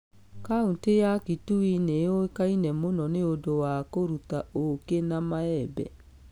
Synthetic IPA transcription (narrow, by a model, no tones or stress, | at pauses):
kauntejakituineokainɛmonɔneodowakoɾutaokenamaɛbɛ̰